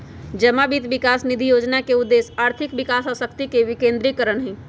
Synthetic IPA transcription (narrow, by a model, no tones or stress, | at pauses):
d͡ʒəmabiːt̪ʋɪkaːsnid̪ʱijoːd͡ʒnakeʊd̪ːeːsaːɾt̪ʰɪkbɪkaːsɔsəkt̪ikeʋikẽːnd̪ɾikəɾəɳɦɛ̃ː